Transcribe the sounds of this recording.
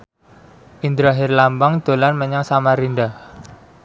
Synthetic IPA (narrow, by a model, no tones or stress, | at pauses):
ʔind̪ɾaɦɪrlambaŋd̪̥o̤lanməɲaŋsamaɾinɖa